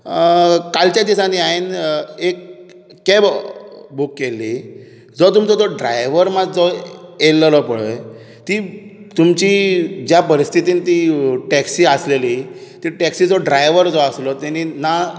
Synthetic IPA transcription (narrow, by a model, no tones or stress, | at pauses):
kalt͡ɕjad̪isãniaɦinekː | ebbukːeli | d͡zɔt̪̬umt͡sɔd͡z̪ɔɖɾa̰jʋəɾmad͡zd͡zɔelːəlɔpəɭə̰ | t̪iːt̪umt͡ɕiːd͡ʑjapəɾist̪ʰit̪iːnt̪iːʈɛksiːəslelit̪iːʈɛksiːd͡zɔɖɾajʋəɾd͡zɔəslɔt̪añina